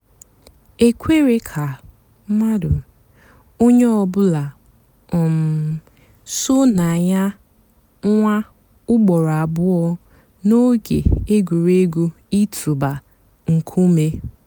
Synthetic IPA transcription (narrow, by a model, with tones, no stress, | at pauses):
e˦kʷe˦ɾe˦kʰa˨˦ | ma˦dʊ˨ | o˦ɲe˦ɔ˨bʊ˦la˨ | ɔ˨m̩˨ | sʊ˦na˨ɲa˦ | ŋʷa˦ | ʊ˦ɡ͡bɔ˨ɾa˨bʊ˦ɔ˦ | no˦ɡḛ˨e˦ɡʷu˨ɾe˦ɡu˦ | i˦tʰu˨ba˨ | ŋ̩˨kʰu˦me˦